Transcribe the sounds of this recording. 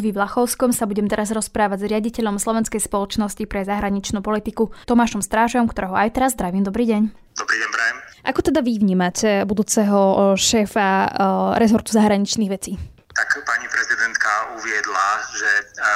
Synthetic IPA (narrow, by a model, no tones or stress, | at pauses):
ʋiʋlaxɔʊskɔmsabuɟɛmt̪ɛɾazɾɔspɾaːʋaɟzɾɪaɟicɛʎɔmslˠɔʋɛnskɛjspɔlɔt͡ʃnɔscipɾɛzaɦɾaɲit͡ʃnuːpɔlit̪ikut̪ɔmaːʃɔmst̪ɾaːʒɛɔmkt̪ɔɾɛɦɔajt̪ɛɾazːd̪ɾaʋiːmd̪ɔbɾiːɟɛɲ | d̪ɔbɾiːɟɛɲpɾɛɛmʔakɔt̪ɛd̪aʋiʋɲiːmacʰɛbud̪uːt͡sɛɦɔʃɛːfaɾɛzɔɾt̪u̥zaɦɾaɲit͡ʃniːɣʋɛt͡siː | t̪akpaɲipɾɛzid̪ɛnt̪kauʋɪɛd̪laʒɛ